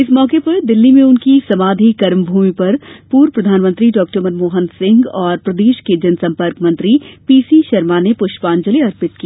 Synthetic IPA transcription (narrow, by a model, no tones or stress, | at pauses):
ɪsmɔːkepɐɾd̪ɪlːimẽʊnkisɐmaːd̪ʱikɐɾmbʱuːmipɐɾpuːɾpɾɐd̪ʱaːnmə̃nt̪ɾiɖɔːk̚ʈəɾmənmoːɦənsɪ̃ŋɡɔːɾpɾɐd̪eːʃked͡ʒɐnsɐ̃mpəɾkmɐ̃nt̪ɾipiːsiʃɐɾmanepʊʃʈpaːnd͡ʒəliɐɾpɪt̪̚kieː